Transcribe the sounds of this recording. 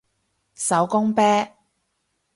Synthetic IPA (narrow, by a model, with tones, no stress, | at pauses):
sɐ˨˥wkʊ˥ŋpɛː˥